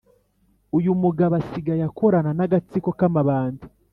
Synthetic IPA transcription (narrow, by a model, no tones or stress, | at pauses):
ujumuɡaβasiɡajakoɾananaɡat͡siko̞kamaβaːndi